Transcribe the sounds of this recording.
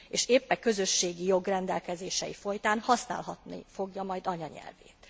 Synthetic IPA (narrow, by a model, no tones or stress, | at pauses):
eːʃeːpːɛkø̞zø̞ʃːeːɡijo̞ɡrɛnd̪ɛlkɛzeːʃɛ̰jifo̞jt̪aːnhɒsna̰ːlɦɒt̪nḭfo̞ɡjɒmɒjd̪ɒɲɒɲɛ̰lvḛːt̪